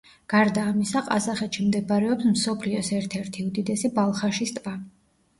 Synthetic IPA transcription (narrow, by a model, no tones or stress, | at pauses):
ɡ̥aɾd̪aːmisaqʼa̰zaχɛt̪ʃimd̪ɛbaɾɛɔpsmsɔpʰliɔsɛɾt̪ʰɛɾt̪ʰiud̪id̪ɛsibalˠχaʃist̪ʼva